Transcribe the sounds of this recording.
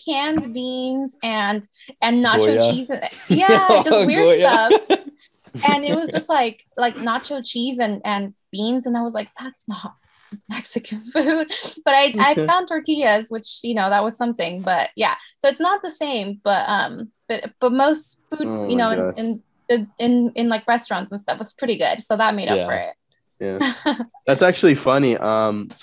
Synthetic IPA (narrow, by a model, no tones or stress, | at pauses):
kʰæ̃nbĩnzɨ̃n | ɨ̃nːɑt͡ʃoʊt͡ʃizɨ̃njæ̥ʒʌswɪɹʌf | ɨ̃nɪt̚wʌzd͡ʒʌst̚ˡlaɪk | laɪk̚nɑt͡ʃoʊt͡ʃʰizɨ̃nʔɨ̃nb̥ĩnzɨ̃naɪwʌzlaɪk̚ðætsnət̚ | mɛksɨkʰɨ̃nfud̥̚b̥ʌɾaɪaɪfãʊ̃ntʰə˞tʰiɨzwɨt͡ʃjɨnoʊðət̚wʌz̥sʌ̃mθɪ̃ŋbʌt̚jæ̰soʊɨtsnət̪̚ðɨsẽɪ̃mb̥ʌt̚ʌ̰̃mb̥ʌɾb̥ʌt̚moʊstfud̚jɨnoʊɨ̃nɨ̃n | ɨɨ̃nɨ̃nlaɪkɹɛstɹ̥ɑ̃ntsn̩stʌfwʌz̥pʰɹ̥ɪɾiɡʊ̰d̥soʊðət̚meɪɾʌ̰pfə̰˞ɪ̰t̚ | jæðætsæk̚t͡ʃʉl̩ˠifʌniʔʌ̃m